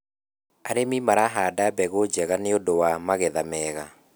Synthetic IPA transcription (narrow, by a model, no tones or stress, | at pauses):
aɾemimaɾaɦadabɛɣod͡ʑɛɣaneodowamaɣɛðamɛːɣa